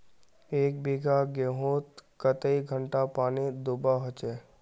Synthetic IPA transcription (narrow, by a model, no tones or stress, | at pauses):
eːk̚biːɡaɡẽɦoːt̪kət̪əiɡʱəɳʈapaːnid̪ʊbaɦot͡ʃeː